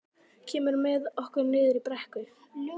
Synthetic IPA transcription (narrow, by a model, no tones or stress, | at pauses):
cʰɛːmʏɾmɛðɔhkʏɾnɪːðɪɾipɾɛhkʏ